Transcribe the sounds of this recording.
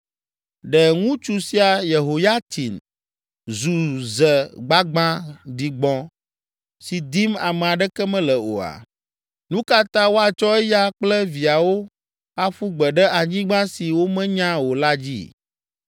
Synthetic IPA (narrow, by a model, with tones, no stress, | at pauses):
ɖɛ˨ŋũ˦t͡ʃu˨si˦a˨je˨ɦo˨ja˦t̪ʰi˨n | zu˨zɛ˨ɡ͡ba˦ɡ͡bã˦d̪i˨ɡ͡bɔ̃˦ | si˨d̪i˦ma˨mɛ˨a˨ɖɛ˦kɛ˦mɛ̃˦lɛ˨o̰˨a̰˨ | nũ˦ka˦t̪ã˦wo˦a˨t͡ʃɔ˦ɛ˦ja˦k͡plɛ˦vi˨a˨wo˦ | a˦ɸu˦ɡ͡bɛ˨ɖɛ˦ʔa˨ɲĩ˦ɡ͡bã˦si˨wo˦mɛ̃˦ɲã˦wo˨la˦d͡ʑḭ˦